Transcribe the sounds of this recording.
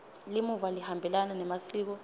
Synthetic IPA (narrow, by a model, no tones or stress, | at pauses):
limuvalihambʱɛlananɛmasiːk̬ɔ